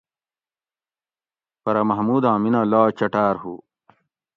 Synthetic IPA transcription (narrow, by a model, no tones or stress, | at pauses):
pɐɾɐmɐɦmuːd̪ãːminalaːt͡ɕɐʈaːɾhṵ